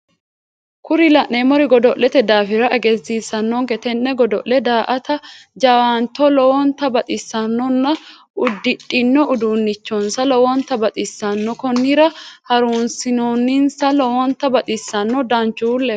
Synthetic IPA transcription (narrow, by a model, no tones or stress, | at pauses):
kʊɾɪlɐʔemɔɾɪɡɔd̪ɔʔːɛt̪ɛd̪aːfɪɾɐʔɐɡɛzːiːsːɐnːɔŋkɛt̪ɛnːɛɡɔd̪ɔ̰ʔlɛd̪aːʔɐt̪ɐd͡ʒɐwaːnt̪ɔlɔwɔnt̪ɐbɐt̪ʼɪsːɐnːɔnːɐ | ʊd̪ːɪᶑʼːɪnːɔʔʊd̪uːnːɪt͡ʃːɔnsɐlɔwɔnt̪ɐbɐt̪ʼɪsːɐnːɔkɔnːɪɾɐhɐɾuːnsɪnoːnːɪnsɐlɔwɔnt̪ɐbɐt̪ʼɪsːɐnːɔd̪ɐnt͡ʃːulːɛ